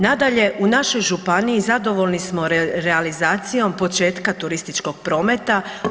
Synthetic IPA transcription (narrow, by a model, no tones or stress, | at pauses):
nad̪aʎe̞ʔunaʃo̞jʒupaniizad̪o̞ʋo̞lnismo̞ɾɾealizaːt̪sijo̞mpo̞t͡ʃe̞ːt̪kat̪uɾist̪it͡ʃko̞ɡ̥̚pɾo̞ːmet̪a